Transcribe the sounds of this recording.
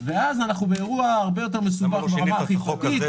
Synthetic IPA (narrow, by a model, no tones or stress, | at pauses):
veazanaχnubeːʁuaaʁbe̞jot̬e̞ʁmesubaχbeʁamaaχiχokit̪